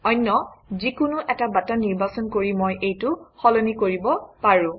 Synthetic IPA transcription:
ɔjnːɔzikʊnʊʔɛtabatɔniɹbasɔnkoɹimojʔejtʊxɔlɔnikoɹibɔpaɹũ

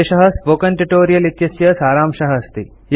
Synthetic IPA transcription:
eʃɐɦɐsʋoːkɐɳʈuʈoːɾijɐlit̪jɐsjɐsaːɾaːmʃɐɦɐst̪i | j

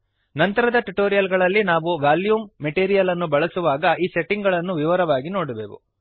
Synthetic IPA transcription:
nɐnt̪ɐɾɐd̪ɐʈuʈoːɾijɐlɡɐɭɐlːinaːʋuʋaːljuːmːeʈiːɾijɐlɐnːubɐɭɐsuʋaːɡɐʔiːseʈːiŋɡɐɭɐnːuʋiʋɐɾɐʋaːɡinoːɽubeːʋṵ

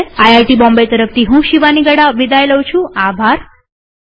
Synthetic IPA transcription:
ajajʈibɔ̃mbejt̪əɾəft̪ʰiɦũʃiʋaniɡəɽaʋid̪ʱajləwt͡ʃʰũabʱaɾ

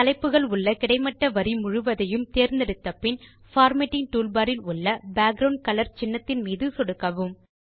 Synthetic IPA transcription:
ɐlɐɪpːɯɣɐɭʊɭːɐkɪɽɐɪmɐʈːɐʋɐɾimʊɻʊʋɐðɐjɯmt̪eːɾnd̪ɛɽɯt̪ːɐpːɪn | faːɾmeʈːɪŋʈuːlbaːɾɪlʊɭːɐbaːɡ̚ɾɐʊɳɖ̚kɐlɐɾt͡ʃɪnːɐt̪ːɪnmiːðɯsɔɽɯkːɐʋɯm

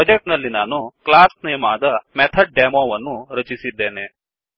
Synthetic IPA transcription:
d͡ʒek̚ʈnəlinanũklasnijmad̪əmɛt̪ʰəɖ̚ɖemoʋənũɾət͡ʃisid̪ene

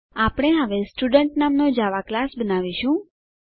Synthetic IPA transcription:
apɽ̃eɦəʋesʈuɖəɳʈnamnod͡ʒaʋaklasbənaʋiʃũ

